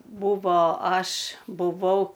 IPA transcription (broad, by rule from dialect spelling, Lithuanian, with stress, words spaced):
ˈbʊʋoː ˈɐʃ bʊˈʋɐʊ